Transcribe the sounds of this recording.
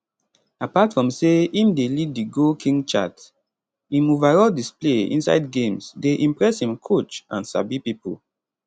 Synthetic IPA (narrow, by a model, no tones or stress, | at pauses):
apatfɹɔ̃mseĩmdeliddiɡokʰĩŋt͡ʃa̰t | ĩmovaɹɔldispleḭ̃nsa̰ɪd̚ɡẽmsdeʔĩmpɹɛshĩmkʰot͡ʃʔãnsa̰bipipo̰